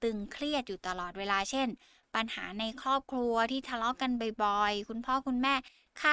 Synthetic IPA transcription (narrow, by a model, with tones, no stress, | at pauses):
t̪ɯ˧ŋkʰli˥˩ət̪̚juː˨˩t̪a˧lɔː˨˩t̪̚weː˧laː˧t͡ɕʰe˥˩n | pa˧nha̰ː˩˦na˧jkʰɾɔː˥˩p̚kʰlu˧ɐt̪ʰiː˥˩t̪ʰa˧lɔ˦˥ka˧nbɔ˨˩jbɔ˨˩jkʰu˧npʰɔː˥˩kʰu˧nmɛː˥˩ | kʰa˥˩